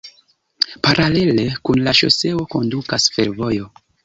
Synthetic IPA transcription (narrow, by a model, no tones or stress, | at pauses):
paɾʔale̞le̞kunlaʃo̞̰se̞o̞ko̞ndukasfe̞ɾvo̞jo̞